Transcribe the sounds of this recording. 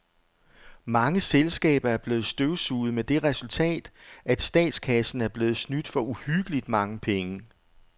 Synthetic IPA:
mɑ̈ŋəselsɡ̥ɛ̰ːb̥ɐæɐb̥le̝ːð̩ˠsd̥øʊsuːð̩ˠmed̥e̝ʁɛsult͡sʰɛ̰ːd̥æd̥sd̥ɛ̰ːd̥skʰæsn̩æɐb̥le̝ːð̞̩ˠsnyd̥fɒ̽uhyɡ̥əlid̥mɑ̈ŋəpʰeŋə

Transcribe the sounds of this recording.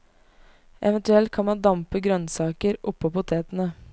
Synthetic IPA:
ʔɛʋənt̪ʉɛlt̪̚kʰɑnmɑnd̪ɑmpəɡɾœnsɑːkəɾʔʊpːoːpʊt̪ʰeːt̪ənə

